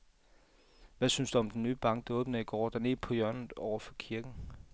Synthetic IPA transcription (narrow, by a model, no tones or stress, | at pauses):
ʋæsynsd̥uɒ̽md̥enːyːb̥ɑ̈ŋ̰ɡ̥̚d̥ɑɔːb̥nɐiɡ̥ɒ̰ːd̥æne̝̥pʰɒ̽jɶɐ̰nð̩ˠɒʊɐfɒ̽kʰiɐɡ̥n̩